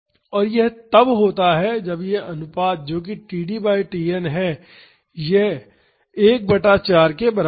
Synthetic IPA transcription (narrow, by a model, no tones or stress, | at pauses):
ɔːɾjɛɦt̪ɐbɦoːt̪aɦɛd͡ʒɐbjeɐnʊpaːd̪̚d͡ʒoːk̬iʈiːɖiːbaːiʈiːenɦɛ | je | eːk̚bɐʈaːt͡ʃaːɾkebɐɾa